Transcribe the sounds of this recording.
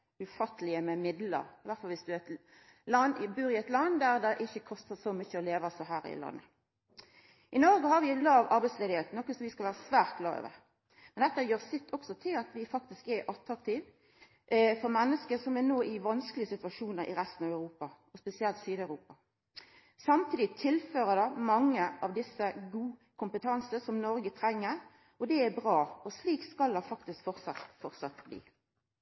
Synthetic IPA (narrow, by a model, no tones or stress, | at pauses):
ʉfɑt̪ːəlɪəmɛmɪd̪lə̰ɾɪʋæɾt̪fɑlʋɪsd̪ʉæt̪ | lɑnɪbʉːɾɪɛt̪lɑnd̪æɾd̪ɛʔɪçːəkʰɔst̪əsɔmʏçːəɔleːʋɑsɔɦæːɾɪ̰lɑ̰nːə̰ | ʔɪnɔɾɡəhɑɾʋɪælɑːʋɑɾbɛɪt̪sleːdɪheːt̪nɔkːəsɔʋɪskɑʋæːɾəsʋæːʁt̪̚ɡlɑ̰ːø̰ːʋə̰ɾ | mɛnd̪ɛt̪ːəjøːʁsɪt̪ʰːɔksɔt̪ʰɪlɑt̪ʰʋɪfɑk̚t̪ɪskɛʔɑt̪ɾɑk̚t̪ʰɪːʋ | fɔɾmɛnːəskəsɔmɛnoːʔɪʋɑnskəlɪəsɪt̪ʉʋɑʂuːnəɾɪ̰ɾɛst̪ən̩ɑʋœʉɾuːpɑɔspɛsɪɛlt̪syːd̪ɑʉɾuːpɑ | sɑmt̪ʰiːd̪ɪt̪ʰɪlføːɾəd̪ɑmɑŋːəɑʋd̪ɪsːəɡuːkʰʊmpət̪ʰɑnsəsɔmnɔɾɡət̪ʰɾɛŋːəɾ | ɔd̪ɛɛbʁɑːɔsliːkskɑld̪ɑfɑkt̪ɪskfɔʁtsɑt̪fɔʁsɑt̪blḭː